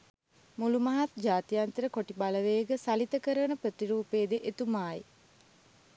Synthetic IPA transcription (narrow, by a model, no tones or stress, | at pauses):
mulumaɦat̪d͡ʒaːt̪ijant̪əɾəkoʈibaləʋeɡəsalit̪əkəɾəʋənəprət̪iɾuːpeːd̪eʔet̪umaːji